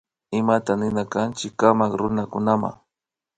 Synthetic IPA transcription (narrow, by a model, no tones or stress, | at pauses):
ɪmat̪anɪnakant͡ʃɪkːamakɾʊnakʊnama̰ŋ